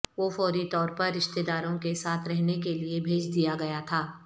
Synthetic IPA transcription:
ʋoːfɔːɾit̪ɔːɾpɐɾːɪʃt̪ed̪aːɾõkesaːt̪ʰɾɛɦnekeliebʱeːd͡ʒd̪ijaɡɐjat̪ʰaː

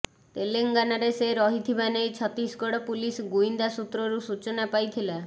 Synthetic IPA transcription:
t̪eleŋɡanaɾeseɾɔɦit̪ʰibanejt͡ʃʰɔt̪ɾisɡɔɽɔpulisɡuind̪asut̪ɾɔɾusut͡ʃɔnapajt̪ʰila

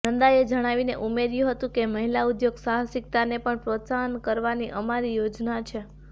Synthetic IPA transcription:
nənd̪aed͡ʒəɽ̃aʋineʔumeɾjũɦət̪ũkeməɦilaud̪joɡsaɦəsɪk̚t̪anepəɳpɾot̪saɦənkəɾʋaniʔəmaɾijod͡ʒnat͡ʃʰe

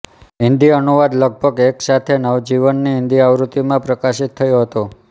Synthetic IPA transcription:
ɪnd̪iənuʋad̪ləɡ̚bʱəɡeksat̪ʰenəʋd͡ʒiʋənːiɦɪnd̪iaʋɾut̪ːimãpɾəkaʃit̪ʰːəjoɦət̪o

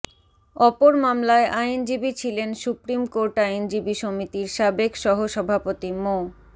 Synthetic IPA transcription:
ɔpoɾmamlaeʔajnd͡ʑibit͡ɕʰilensupɾimkoɾʈajnd͡ʑibiʃomit̪iɾʃabekʃɔɦoʃɔbʱapot̪imo

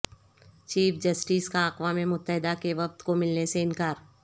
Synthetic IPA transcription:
t͡ʃiːfd͡ʒɐsʈiːskaɐqʋaːmẽmʊt̪ːəɦɪd̪akeʋɐf̚t̪komɪlneseɪnkaːɾ

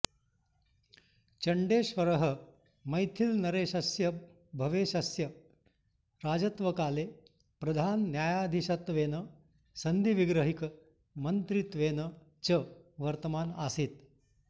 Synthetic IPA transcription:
t͡ʃɐɳɖeːʃʋɐɾɐɦə | mɐjt̪ʰilnɐɾeːʃɐsjɐ | bʱɐʋeːʃɐsjɐ | ɾaːd͡ʒɐt̪ʋɐkaːleː | pɾɐd̪ʱaːnːjaːjaːd̪ʱiʃɐt̪ʋeːnɐ | sɐnd̪iʋiɡɾəɦik | mɐnt̪ɾit̪ʋeːnə | t͡ʃəʋɐɾt̪ɐmaːnaːsit̪

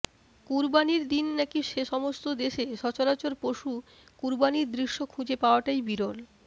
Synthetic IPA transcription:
kuɾbaniɾd̪inːɛkiʃeʃɔmost̪od̪eʃeʃɔt͡ɕoɾat͡ɕoɾpoʃu | kuɾbaniɾd̪ɾiʃːokʰud͡ʑepaoaʈajbiɾol

